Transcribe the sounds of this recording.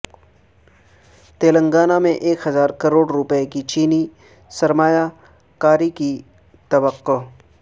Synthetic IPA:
t̪eːlə̃ŋɡaːnamẽʔeːkɦɐzaːɾkɐɾoːɽɾʊpɛekit͡ʃiːni | sɐɾmaːja | kaːɾiki | t̪ɐʋəqːo

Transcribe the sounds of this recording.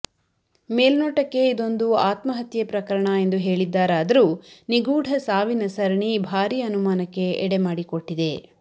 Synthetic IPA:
meːlnoːʈɐkːe̞id̪o̞nd̪uaːt̪mɐɦɐt̪jɐpɾɐkɐɾɐɳɐe̞nd̪uɦe̞ːɭid̪ːaːɾaːd̪ɐɾuːniɡuːɽʱɐsaːʋinɐsɐɾɐɳibʱaːɾijɐnumaːnɐkːe̞ɛɽemaːɽiko̞ʈːid̪e̞

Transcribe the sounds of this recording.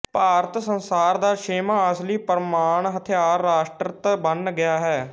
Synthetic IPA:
paːɾət̪sənsaːɾd̪aːʃeːmaːaːsliːpəɾmaːɳɦət̪ʰɪjaːɾːaːʃʈɾət̪bənɡɪjaːɦɛː

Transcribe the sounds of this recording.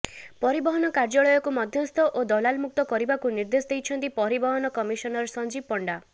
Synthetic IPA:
pɔɾibɔɦɔnɔkaɾd͡ʒɔɭɔjɔkumɔd̪ʱjɔst̪ʰɔʔod̪ɔlalmuk̚t̪ɔkɔɾibakuniɾd̪esɔd̪ejt͡ʃʰɔnt̪ipɔɾibɔɦɔnɔkɔmisɔnɔɾsɔnd͡ʒib̚pɔɳɖa

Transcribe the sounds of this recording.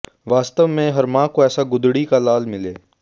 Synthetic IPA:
ʋaːst̪əʋmẽɦɐɾmãːkoɛːsaɡʊd̪ɽikalaːlmɪleː

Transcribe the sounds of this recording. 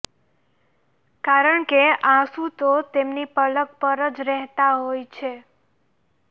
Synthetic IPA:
kaɾəɳkeʔãsũt̪ot̪emnipələkpəɾəd͡ʒɾɛɦt̪aɦojt͡ʃʰe

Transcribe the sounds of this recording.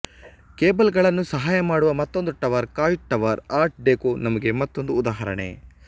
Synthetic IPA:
keːbɐlɡɐɭɐnːusɐɦaːjɐmaːɽuʋɐmɐt̪ːo̞nd̪uʈɐʋɐɾkaːjʈːɐʋɐɾaːɾʈ̚ɖeːkonɐmɐɡe̞mɐt̪ːo̞nd̪uːd̪aːɦɐɾɐ̰ɳḛ

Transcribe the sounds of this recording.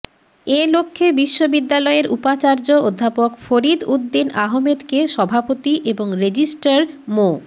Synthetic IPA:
elokʰːebiʃːobid̪ːalɔeɾupat͡ɕaɾd͡ʑood̪ʱːapokfoɾid̪ud̪ːinaɦomed̪keʃɔbʱapot̪iʔeboŋɾed͡ʑisʈaɾmo

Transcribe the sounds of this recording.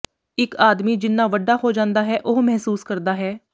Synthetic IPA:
ɪkaːd̪miːd͡ʒɪnːãːʋəɖːaːɦoːd͡ʒãːnd̪aːɦɛːʔoɦmɛɦsuːskəɾd̪aːɦɛː

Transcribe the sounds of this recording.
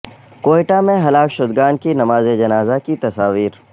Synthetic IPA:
koːɪʈamẽɦɐlaːfʃʊd̪ɡaːnkinɐmaːzed͡ʒɐnaːzakit̪ɐsaːʋiːɾ

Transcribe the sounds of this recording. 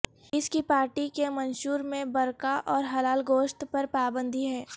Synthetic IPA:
ɪskipaːɾʈikemɐnʃuːɾmẽbɐɾkaʔɔːɾɦɐlaːlɡoːʃt̪pɐɾpaːbə̃nd̪ʱiɦɛː

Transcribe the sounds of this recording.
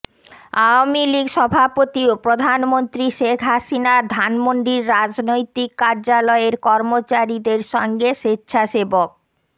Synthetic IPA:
awamiliɡʃɔbʱapot̪iopɾod̪ʱanmont̪ɾiʃekʰɦaʃinad̪ʱanmoɳɖiɾːad͡ʑnojt̪ikːaɾd͡ʑalɔeɾkɔɾmot͡ɕaɾid̪eɾʃɔŋɡeʃetːɕʰaʃebok̚

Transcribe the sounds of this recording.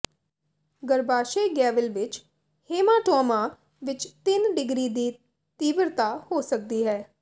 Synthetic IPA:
ɡəɾbaːʃeːɡɛːʋəlʋɪt͡ʃ | heːmãːʈɔːmãː | ʋɪt͡ʃt̪ɪnɖɪɡɾiːd̪iː | t̪iːʋəɾt̪aːhoːsək̚d̪iːɦɛː

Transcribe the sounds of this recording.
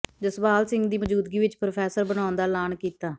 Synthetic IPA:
d͡ʒəsbaːlsɪ̃ŋɡd̪iːʋəd͡ʒuːd̪ɡiːʋɪt͡ʃpɾopʰɛːsəɾbəɽ̃aːʊnd̪aːlaːnkiːt̪aː

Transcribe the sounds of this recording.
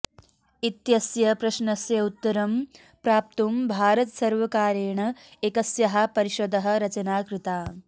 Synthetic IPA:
it̪jɐsjɐpɾɐʃnɐsjɐut̪ːɐɾɐm | pɾaːp̚t̪umbʱaːɾɐt̪sɐɾʋɐkaːɾeːɳɐekɐsjɐɦɐpɐɾiʃod̪ɐɦɐ̆ɾɐt͡ʃɐnaːkɾut̪aː

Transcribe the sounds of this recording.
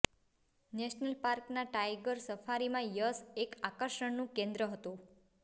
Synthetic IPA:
neʃnəlpaɾknaʈajɡəɾsəfaɾimãjəsekakəɾʃəɳnũkẽnd̪ɾəɦət̪ũ

